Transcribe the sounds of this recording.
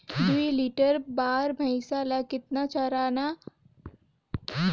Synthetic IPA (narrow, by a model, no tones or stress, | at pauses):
d̪uiliːʈəɾbaːɾbʱɐɪsalakɪt̪̚nat͡ʃaɾaːna